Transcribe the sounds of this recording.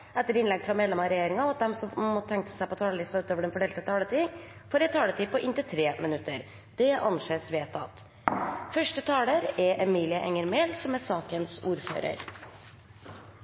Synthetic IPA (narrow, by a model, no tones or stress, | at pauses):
ʔɛt̪ːəɾɪnlɛɡfɾɑmeːd̪lɛmɑɾɛjeːɾɪŋɑɔɑt̪̚d̪ɛmsɔːɔt̪ʰɛŋk̚t̪ə̥sæɪpɔt̪ʰɑːləlɪst̪ɑʉːt̪oːʋəɖɛnfɔɖɛːlt̪ət̪ʰɑːlət̪ʰɪŋ | foːɾɛt̪ʰɑːlət̪iːpʰɔʔɪnt̪ɪt̪ʰɾeːmɪnʉt̪ːəɾ | d̪̥ɛʔɑ̰nseːsʋeːt̪ʰɑ̰t̪ | fœʂʈət̪ʰɑːləɾɛʔɛmiːlɪəʔɛŋəɾmeːlsɔmæɾsɑːkənsuːɾfø̰ːɾə̰ɾ